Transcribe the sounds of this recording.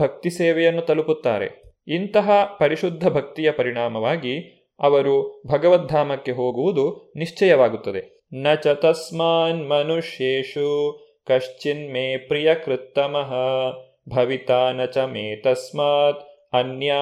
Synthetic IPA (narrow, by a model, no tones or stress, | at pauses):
bʱɐk̚t̪iseːʋɛjɐnːut̪ɐluput̪ːa̰ːɾḛ | int̪ɐɦɐpɐɾiʃud̪ʱːɐbʱɐk̚t̪ijɐpɐɾiɽ̃aːmɐʋaːɡi | ɐʋɐɾubʱɐɡɐʋɐt̪̚d̪ʱaːmɐkːe̞ɦoːɡuʋud̪uniʂt͡ʃɐjɐʋaːɡut̪ːɐd̪e̞ | nɐt͡ʃɐt̪ɐsmaːnmɐnuʃeːʂu | kɐʂt͡ʃinmeːpɾijɐkɾɪt̪ːɐmɐɦɐ | bʱɐʋit̪aːnɐt͡ʃɐmeːt̪ɐsmaːt̪ | ɐnjaː